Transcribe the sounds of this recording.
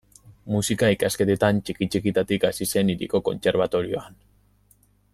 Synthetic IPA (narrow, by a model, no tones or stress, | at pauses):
musikaikaske̞t̪et̪ant͡ʃikit͡ʃikit̪at̪ikasise̞niɾḭko̞ko̞̰nt͡se̞ɾβ̞at̪o̞ɾio̞̰an